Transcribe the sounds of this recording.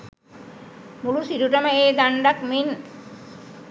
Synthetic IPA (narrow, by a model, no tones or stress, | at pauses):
mulusiɾuʈɐməeːd̪aɳɖakmin